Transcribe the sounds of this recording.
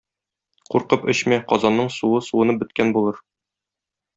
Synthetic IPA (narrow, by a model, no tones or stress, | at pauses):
quɾqɤpɵɕmæqɒzɑnːɤɴsuɤsuwɤ̆nɤbɵ̆t̪̚kænbulˠɤɾ